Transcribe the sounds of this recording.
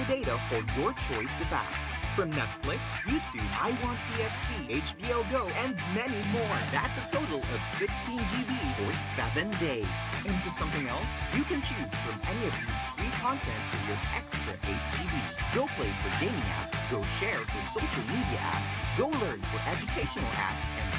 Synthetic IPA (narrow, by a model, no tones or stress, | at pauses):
ɨdeɪɾəhədjə˞t͡ʃʰɔɪsɨvæ̰p̚sfɹʌ̃mnɛtflɪksjʉtʰʉba̰ɪwɑ̃ntʰiɛfsieɪt͡ʃb̥ioʊɡoʊɨ̃nmɛnimɔɹðæ̰tsɨtʰoʊɾl̩ˠʌv̥sɪkstʰĩnd͡ʒiviə˞sɛvɨ̃ndeɪz̥ɨ̃ntʰɨsʌ̃mθɪ̃ŋɛlˠsjɨkɨ̃nt͡ʃʰʉz̥fɹʌ̃mɛñiʌvjiz̥fɹikʰɑ̃ntʰɛ̃ntə˞jəɾɛ̰kstɹ̥ɨ̰ʔeɪt͡ʃd͡ʒiviɡ̥oʊpʰl̥eɪfə˞ɡẽɪ̃nĩæ̰pɡ̥oʊʃɛɹfə̥soʊʃl̩ˠmiɾiɨ̰ʔæ̰psɡ̥oʊlɜ̃˞nfə˞ʔɛd͡ʒɨkʰeɪʃɨnl̩ˠæ̰psɨ̃n